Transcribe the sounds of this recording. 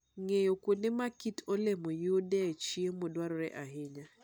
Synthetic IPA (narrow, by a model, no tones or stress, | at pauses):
ŋejokonɪmakitolemɔjodɛt͡ʃiemodwaɾɔɾɛ̰ʔaɦɪɲa